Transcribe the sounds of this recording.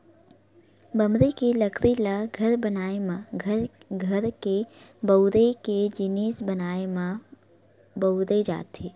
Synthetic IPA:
bəmɾekeləkʰɾilaɡʱɐɾbənaːemãɡʱəɾɡʱɐɾkebəd̪eked͡ʒɪniːsbənaːemã | bəʊd̪ed͡ʒa̰ːt̪eː

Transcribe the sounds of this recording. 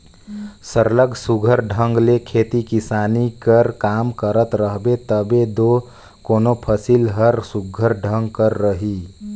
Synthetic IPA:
səɾləɡsuɡʱəɾɖʱəŋɡlekʰet̪ikisanikəɾkamkəɾət̪ɾəɦbet̪əbed̪o | konopʰəsilɦəɾsuɡʱəɾɖʱəŋɡkəɾːəɦi

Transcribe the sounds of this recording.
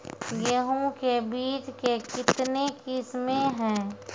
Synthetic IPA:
jəɦũkebiːt͡ʃkekɪt̪nekɪsmẽɦɛ̃ː

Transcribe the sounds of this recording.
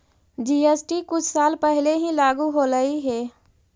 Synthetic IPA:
d͡ʒiːeːsʈikʊt͡ʃʰsaːlpɛɦleɦĩlaːɡuɦoɾəiɦɛː

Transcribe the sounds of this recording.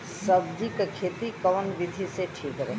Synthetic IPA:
sɐbd̪ikkʰeːt̪ikɐʋənʋɪd̪ʱiseʈʰiːkɾɛɦ

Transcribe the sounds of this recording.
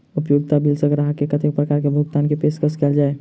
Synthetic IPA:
ʊpjoːɡt̪abilsəɡɾaɦakekət̪ʰek̚pɾəkaːɾkebʱʊɡt̪aːnkepeːskəskeld͡ʒaːe

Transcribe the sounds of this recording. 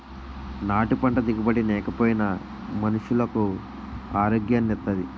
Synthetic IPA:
naːʈupɐɳʈɐd̪iɡibɐɽinɛːkɐpoːjinɐ | mɐnuʂulɐku | aːɾoːɡjanːiɾt̪ːɐd̪i

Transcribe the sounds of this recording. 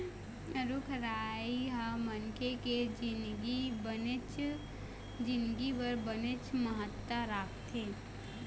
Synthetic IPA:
ɾʊkʰɾaːiɦamənkeked͡ʒɪnɡibənt͡ʃ | d͡ʒɪ̃nd̪ɡipəɾbənɪt͡ʃməɦət̪ːaɾaːkʰt̪ʰeː

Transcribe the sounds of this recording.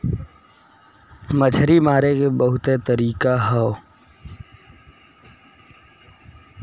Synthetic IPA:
məd͡ʒʰɾimaːɾekebəɦʊt̪et̪əɾiːkaɦɔo

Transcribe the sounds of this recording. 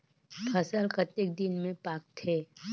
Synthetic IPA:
pʰɐsəlkət̪ɪk̚d̪ɪnmẽpaːk̚t̪ʰeː

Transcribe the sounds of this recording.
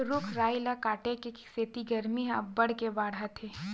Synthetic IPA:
ɾʊkʰɾaːɪlakaːʈekekseːt̪iɡɐɾmiɦãbɐɽ̤kebaːɽɦat̪ʰeː

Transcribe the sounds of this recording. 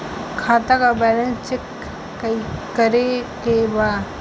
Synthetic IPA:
kʰaːt̪akabɛːlə̃nt͡ʃɪkː | ikəɾekebaː

